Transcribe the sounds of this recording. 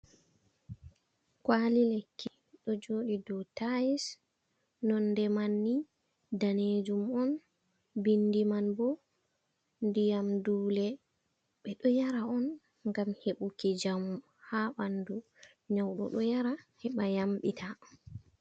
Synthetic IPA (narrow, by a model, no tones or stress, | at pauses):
kwalilekːi | ɗɔd͡ʒoːɗidɔtajis | nɔndɛmanːi | daned͡ʒumɔn | bindimanbɔ | ndijamduːlɛ | ɓɛɗɔjaɾaɔn | ŋɡamheɓukid͡ʒam | haɓandu | ɲawɗɔ̰ɗɔjaɾahɛɓajamɓitʰa